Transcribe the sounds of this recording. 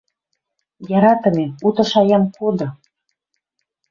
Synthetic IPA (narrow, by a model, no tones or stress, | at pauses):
jɑɾɑt̪ə̆meut̪ɤ̆ʃɑjɑmkod̪ɤ̆